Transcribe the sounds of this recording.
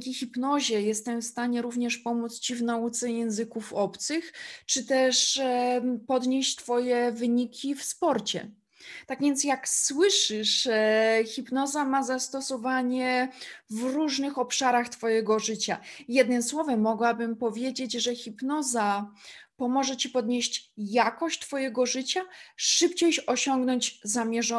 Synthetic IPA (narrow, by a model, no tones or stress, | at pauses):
kʲixʲipnɔʑɛjɛst̪ɛmfst̪aɲɛɾuvɲɛʂpɔmut̪st͡ɕivnaut̪sɛjɛ̃ñzɘkufɔpt̪sɘxt͡ʂɘt̪ɛʂ | pɔd̪ɲeɕt͡ɕt̪fɔjɛvɘɲikʲʰifspɔɾt͡ɕɛ̰ | t̪aɡvʲjɛnt̪sjakswɘʂɘʂ | xʲipnɔzamazast̪ɔsɔvaɲɛvɾuʐnɘxɔpʂaɾaxt̪fɔjɛɡɔʐɘt͡ɕajɛd̪nɘmswɔvɛmːɔɡwabɘmpɔvʲjed͡ʑed͡ʑʐɛxʲipnɔzapɔmɔʐɛt͡ɕipɔd̪ɲeɕt͡ɕjakɔɕt͡ɕt̪fɔjɛɡɔʐɘt͡ɕaʂɘpt͡ɕejɕɔɕɔŋɡnɔɲd͡ʑzamʲjɛʐɔ